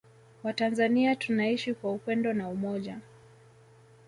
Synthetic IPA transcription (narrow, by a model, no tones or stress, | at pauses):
watanzaniatunaiʃikwaupɛndɔnaumɔʄa